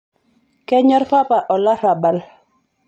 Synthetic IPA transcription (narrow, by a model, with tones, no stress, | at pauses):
kɛ˦ɲɔ˦ɾpa˦pa˨ʔɔ˨la˦ɾa˨ba˨l